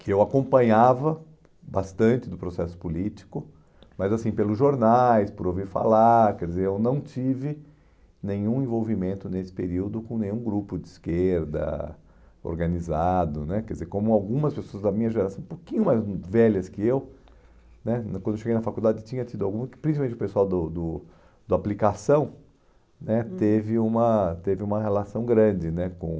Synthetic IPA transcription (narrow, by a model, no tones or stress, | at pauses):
kʰɪewakõmpɐ̃ɲavɐ | bast̪ɐ̃nt͡ʃɪd̪ʊpɾosɛsʊ̥pulit͡ʃi̥kʊ | mɐzasĩpelʊzʒoɾnajspʊɾowviɾfa̰laɾkɛɾd͡ʒɪzeɾewnɐ̃w̃t͡ʃivɪ | nẽɲũẽvowvimẽnt̪ʊnesɪ̥peɾiwd̪ʊkõnẽj̃ũɡɾupʊdd͡ʒɪiskeɾd̪ɐ̰ | o̰ɾɡɐnizad̪ʊnɛkɛɾdɪzeɾkõmʊawɡũmɐspesoɐzd̪ɐmĩɲɐʒeɾasɐ̃w̃ũpokĩɲʊmajzvɛlɐskɪew | nɛkwɐ̃nd̪eoʃeɡejnɐfakuwd̪ad͡ʒɪt̪ĩɲɐt̪id̪ʊawɡũmɐkɪpɾĩsipamẽt͡ʃʊpesuawd̪ʊd̪ʊ | d̪̥ʊaplikasɐ̃w̃ | nɛt̪evɪũmɐt̪evɪũmɐɦelasɐ̃w̃ɡɾɐ̃d͡ʒɪnɛkõ